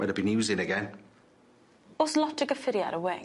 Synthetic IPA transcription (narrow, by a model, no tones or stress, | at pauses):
ɛ̰ɾnəbinjʉːzɪ̃ŋəɡɛ̃n | ɔslɔtəɡəfɪɾia̰ɾəwe